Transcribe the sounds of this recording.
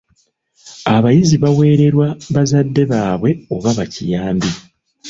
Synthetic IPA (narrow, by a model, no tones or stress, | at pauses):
aβajiziβawe̞ːɾe̞ɾwaβazadːe̞βaːβwe̞o̞βaβacijaːmbi